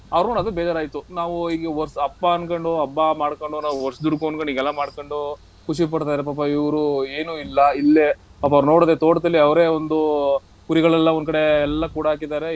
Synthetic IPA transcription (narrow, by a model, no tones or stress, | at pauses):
ɐʋɐɾoːɳɐd̪ubɛːd͡ʒaːɾaːjt̪ːunaːʋuiːɡeʋɔɾsɐpːaɐnkoɳɖuɐbːamaːɽkoɳɖunaːʋuɔɾsd̪uɽkonkoɳɖiːɡɛlːɐmaːɖkoɳɖu | kuʃip̬ɐɽt̪aːjd̪ɐɾepaːp̬ɐiʋɐɾueːnuilːɐilːepaːpɐʋɾunoːɽːd̪et̪oːɽt̪ɐlːiɐʋɾe̞ond̪u | kuɾiɡɐɭɛlːɐond̪kɐɽe̞ɛlːɐkuːɽaɦaːk̬id̪aːɾe̞